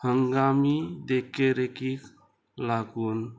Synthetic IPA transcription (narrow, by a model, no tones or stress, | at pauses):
həŋɡamid̪ekeɾekik | laɡun